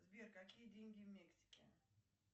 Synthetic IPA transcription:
zbʲerkɐkʲijədʲenʲɡʲɪvmʲeksʲɪ̥kʲɪ̰

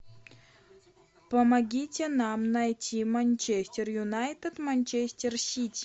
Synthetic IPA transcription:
pəmɐɡʲitʲenamnɐjtʲʰimɐnʲt͡ɕesʲtʲerjunajt̪ət̪mɐnʲt͡ɕesʲtʲersʲitʲ

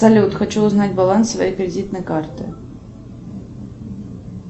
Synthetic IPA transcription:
ɐlʲut̪xɐt͡ɕuʊznadʲbalˠansvɐjejkɾʲɪdʲit̪̚nəjkart̪ɨ̰

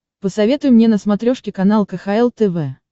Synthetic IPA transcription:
pəsɐvʲe̞t̪ʊjʊmnʲe̞nəsmɐt̪ɾʲoʂkʲɪkɐnalˠkəxaɛlˠt̪ɛvɛ

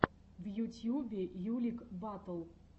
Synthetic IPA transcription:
vjutʲjubʲɪjulʲikbat̪əlˠ

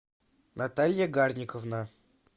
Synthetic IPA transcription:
nat̪alʲjaɡarnʲɪkəvna

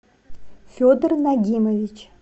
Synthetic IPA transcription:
fʲod̪rnaɡʲimovʲit͡ʃʰ

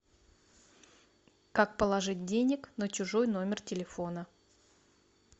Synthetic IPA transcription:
kak̚pəlˠɐʐɨt̚ʲdʲenʲɪknət͡ɕʊʐojn̪o̞mʲɪrtʲɪlʲɪfo̞nə

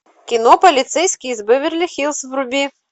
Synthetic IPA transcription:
kʲinɔpɐlʲit̪sɛjsʲkʲizbɨvʲɪrlʲixʲilˠsvɾubʲi

